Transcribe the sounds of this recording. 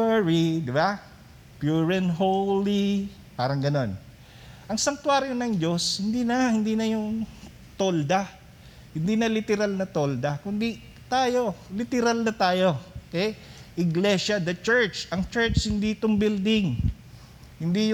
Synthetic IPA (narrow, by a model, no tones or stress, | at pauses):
ɹid̪ɪba | pjuɹɛnɦoli | paːɾɐŋɡɐno̞n | ʔɐŋsɐŋt̪waːɾjonɐŋd͡ʒo̞shɪnd̪iːnɐhɪnd̪iːnɐjʊŋ | t̪old̪a | hɪnd̪inɐlɪt̪ɛɾalnɐt̪o̞ld̪ɐkʊnd̪i | t̪aːjo̞lɪt̪ɛɾalnɐt̪aːjo̞kɛ | ʔɪɡlɛʃɐd̪ɐt͡ʃɛɹt͡ʃɐŋt͡ʃɛɹt͡ʃhɪnd̪iʔɪt̪oŋbɪld̪ɪŋ | hɪnd̪ij